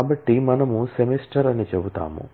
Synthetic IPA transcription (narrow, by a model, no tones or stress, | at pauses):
aːbɐʈːimɐnɐmusemisʈɐɾɐnit͡ʃebut̪a̰ːmṵ